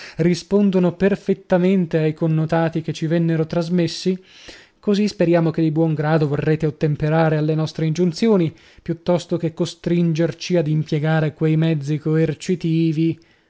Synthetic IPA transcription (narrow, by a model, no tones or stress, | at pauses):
rispond̪onoperfet̪ːament̪eajkonːot̪aːt̪iket͡ʃːivɛnːeɾot̪ɾazmesːi | kozispeɾjaːmok̟ed̪ibwɔŋɡɾaːd̪ovorːeːt̪eot̪ːempeɾaːɾealːenɔst̪ɾeind͡ʒunt̪sjoːni | pjut̪ːɔst̪okekːost̪ɾind͡ʒert͡ʃiad̪impjeɡaːɾekwejmɛd̪zːikoert͡ʃit̪iːvi